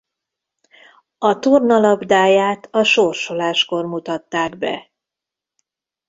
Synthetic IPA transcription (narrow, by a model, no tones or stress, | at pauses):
ɒt̪urnɒlɒbd̪aːjaːt̪ɒʃorʃo̞laːʃko̞rmut̪ɒt̪ːaːɡbɛ̰